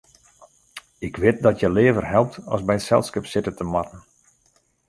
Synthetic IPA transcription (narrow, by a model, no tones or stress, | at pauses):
ɪkʋɪt̚dɔtjəleːvərɦɛlˠp̚tɔ̰sbɛjtsɛlˠskəpsɪtətəmɑtn̩